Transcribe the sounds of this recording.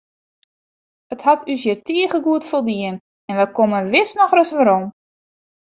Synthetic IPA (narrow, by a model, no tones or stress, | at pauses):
əthatʰys̬jərtʰiəɣəɡuətfolˠdiən | ɛnʋɛkomənʋɪsnɔxrəsʋaɾom